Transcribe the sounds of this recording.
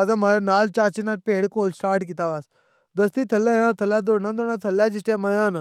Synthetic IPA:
azãmaɾanaːlt͡ʃaːt͡ʃinaɾ̚peːɽkoːlsʈaːɾʈkit̪aːʋaːs | d̪əst̪it̪ʰɐlːãjãːt̪ʰəlad̪oɽnãd̪onãt̪ʰɐlːaːd͡ʒisʈemɐjãːn

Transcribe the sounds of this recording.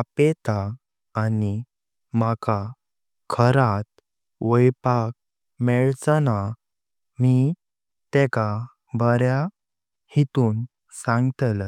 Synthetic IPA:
apet̪aː | ni | maka | kʰəɾat̪̚ | ʋəjpak̚ | mɛɭt͡səna | mi | t̪ɛka | bəɾja | hit̪uːn | sãŋɡt̪lə

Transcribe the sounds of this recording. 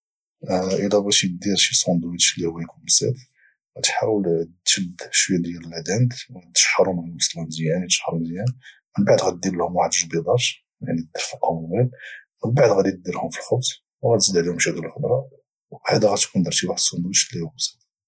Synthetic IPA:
ʔəlæbæʃd̪iɾʃisˤond̪wit̪ʃlːihʊwːæjkunmsæ̰t̪ | ɣæt̪ħawəlt̪ʒəd̪ʃwəjːæd̪jæləlæd̪ænt̪wt̪ːə̥ʃħɑɾˤʊmməslæmzjænt̪ːə̥ʃħɾˤʊmzjæn | mənbaʕd̪ɣæd̪illhʊmwaħd̪ʒbid̪ˤɑʃ | jaʕnid̪əɾfəqːmbælməlbaʕd̪ɣæd̪it̪̚d̪iɾhʊmfilxʊbsˤ | wɣæd̪it̪d̪əʕlihʊmʃid̪iləlxəb̪ɾˤɑ | had̪æɣæt̪kund̪iɾt̪iwaħd̪sˤɑnd̪wit̪ʃlːihʊwæsæt̪

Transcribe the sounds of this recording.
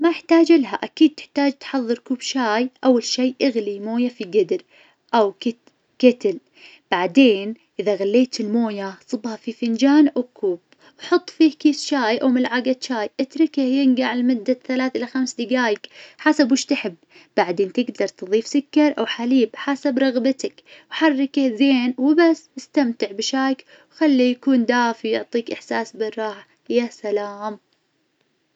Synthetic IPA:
majɪħt̪aːd͡ʒɪlɦaʔakiːd̪̚t̪ɪ̥ħt̪aːd͡ʒt̪ħɑðˤːɨɾkuːbʃaːjʔawːalʃiːʔɪɣlimoːjafiɡɪd̪ɾ | ʔawkɪ | kɪt̪ɪl | b̥aʕd̪eːn | ʔɪðaɣalːeːt̪ɪlmoːjasˤɨbhɑfifɪnd͡ʒaːnʔawkʰuːb̥ | wħʊt̪ˤːfiːhkiːsʃaːjʔawmɪlʕaɡat̪ʃaːjʔɪt̪ɾɪkɪhjɪnɡaʕɪlmʊd̪ːaθalaːθʔɪlaxamsd̪ɪɡaːjɪkħasabwʊʃt̪ɪħɪb̥ː | aʕd̪eːnt̪ɪɡd̪ɑɾˤt̪ɨðˤiːfsʊkːɑɾˤʔawħaliːbħasabɾˤɑɣbɪt̪akwħarːɪkɪhzeːnwɪbasːɪst̪amt̪ɪʕbɪʃaːjk | wxalːijakuːnd̪aːfijʊʕt̪ˤiːkʔɪħsaːsbɪrˤːɑːħ | jaːsalaːm

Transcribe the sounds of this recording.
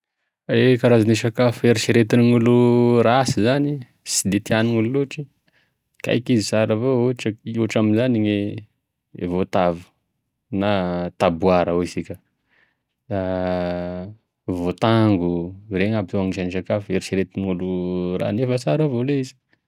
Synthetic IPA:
ekaɾazaniʃakafeɾiʃiɾet̪iniŋulurasizani | sid̪et̪ianiŋululuʈ͡ʂi | ka̰jkizisaɾavouʈ͡ʂauʈ͡ʂaminzaniɲe | vot̪avu̥ | nat̪abuaɾaoisikʲə | a | vot̪aŋɡureŋabit̪uaŋiʃaniʃ̬akafueɾisiɾet̪iniŋulura̰nefəsaɾavoleizi̥

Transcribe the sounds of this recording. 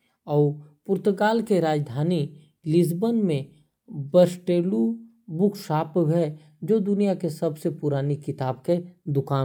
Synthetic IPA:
ɔːpʊɾt̪əɡaːlkeɾaːd͡ʒd̪ʱaːni | lɪs̬bənmẽ | bəɾsʈeːlu | bʊkʰʃaːpʋɦɛ | d͡ʒoːd̪ʊnijakesɐbsepʊɾaːnikɪt̪aːbked̪ʊkaː

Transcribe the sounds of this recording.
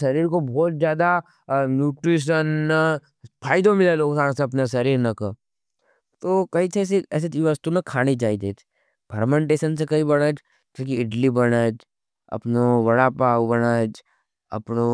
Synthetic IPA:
sɐɾiːɾkobɔːt̪̚zjaːd̪a | njuːʈɾiːʃ̬ənː | pʰaːɪd̪õmɪlaloːɡsaːɾseɐp̬nasɐɾiːɾnɐkə | t̪oːkɐit͡ʃʰeːs̬eɛːs̬et̪iʋəst̪unɐkʰaːnid͡ʒaːid̪eːt̪ʰ | pʰɐɾmẽɳʈeːʃəns̬ekɐĩbɐɽaːd͡ʒ | kokiɪʈlibɐɽaːd͡ʒ | ɐ̰pnoʋɐɽapaːbɐɽaːd͡ʒ | ɐ̰pno

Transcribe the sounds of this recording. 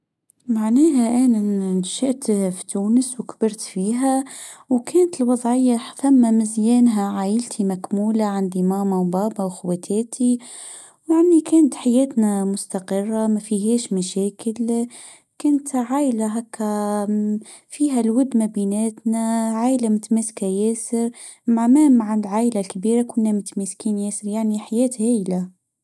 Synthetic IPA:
maʕneːɦaʔaːnanʃɪʔt̪fi̥t̪uːnɪswkb̥ɑɾt̪fiːɦa | wkʰeːnt̪ɪlwɑðˤʕɪjːafamːamɪzjeːnɦaʕaːjɪlt̪ʰimakmuːlaʕand̪imaːmawbɑːbawxʊwat̪ʰeːt̪ʰi | wʕanːikʰeːnt̪ħajeːt̪namʊst̪aqɨrˤːamæfiɦɛːʃmæʃæːkɪl | kʊnt̪ʕaːjlaɦækʰːæ | fiːɦælwʊd̪mabinæːt̪næʕaːjlamʊt̪mæskajæːsɪɾ | mʕamæːmʕalʕaːʔlalkabiːɾakʊnːæmʊt̪mɪskiːnjæːsəɾjaʕniħajæːt̪hæːjla

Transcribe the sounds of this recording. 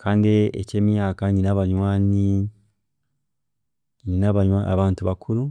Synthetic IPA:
kʰaːndiḛceːmjaːkaɲinaβaɲwaːni | ɲinaβaɲaa̰βaːntuβakʰulu

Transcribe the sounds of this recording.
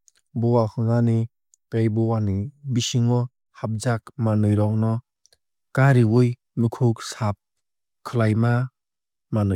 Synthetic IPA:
bɔwakɯŋani | kejbɔwanibisiŋɔ | hap̚zak̚manɯjɾɔŋnɔ | kaɾiwɯj | mɯkʰuksap̚ | kʰɯlajma | manɯj

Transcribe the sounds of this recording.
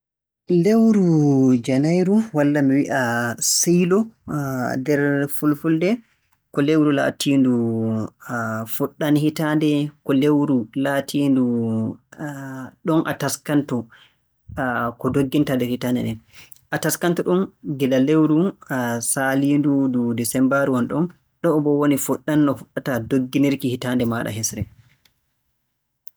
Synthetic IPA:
lewɾud͡ʒanajɾuwalːamiwiʔasijlɔ | dɛɾfulfuldɛ | kɔlewɾula̰tiːndu | fuɗːanhitandɛkɔlewɾulatʰiːndu | ɗɔnʔa̰taskantɔ | kɔdoɡːintadɛhitandɛ̰ɗɛn | ʔataskantɔɗɔnɡɛdalewɾusalindududɛsɛmbaɾwɔnɗɔn | ɗɔːbɔwonifuɗːanːɔfuɗːatadoɡːiniɾkihitandɛmaɗa̰ɦɛsɾɛ

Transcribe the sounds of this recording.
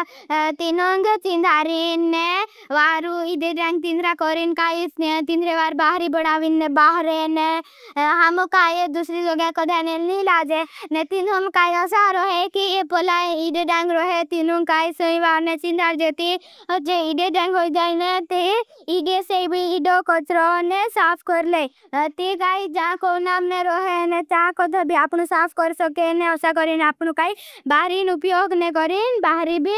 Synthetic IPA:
t̪inoŋɡt͡ʃĩnd̪aːɾinːe | ʋaːɾuiɖeɖãŋɡ̚t̪ĩːnd̪ɾakɔːɾinkaːit̪ĩnd̪ɾeʋaːɾbaːɦɾibəɽ̃aːʋinːebaːɦɾene | ɦamkaːjed̪usɾid͡ʒoɡãkəd̪ʱanelnilaːd͡ʒenet̪ind̪omkaːiəsaɾoɦekiepɔlaiɖeɖaŋɡɾoɦet̪inũŋɡ̚kaːisəĩʋaːɾnet͡ʃĩnd̪aːɾd͡ʒet̪id͡ʒẽiɖeɖãŋɡɦoːid͡ʒaːinet̪e | iɖeseibʱiiɖokət͡ʃɾɔnesaːpʰkəɾle | t̪ikaːid͡ʒaãkonaːmneɾɔɦenẽt͡ʃ̪akɔd̪ʱəbʱiaːpnosaːpʰkəɾsəkenẽɔsak̬əɾinaːpnokaːibaːɦɾinupjoːɡnekɔɾinbaːɦɾibʱi

